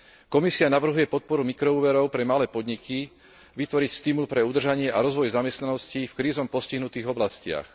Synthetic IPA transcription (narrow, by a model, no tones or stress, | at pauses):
kɔmisianaʋr̩ɦujɛpɔt̪̚pɔɾumikɾɔuːʋɛɾɔʊpɾɛmalɛːpɔd̪ɲikʰi | ʋit̪ʋɔɾicst̪imulpɾɛud̪r̩ʒaɲɪɛʔaɾɔzʋɔjzamɛst̪nanɔscifkɾiːzɔmpɔsciɦnut̪iːɣɔblascɪa̰x